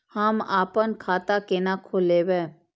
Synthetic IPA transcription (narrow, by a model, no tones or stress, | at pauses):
hamaːpənkʰaːt̪akenakʰoleʋeː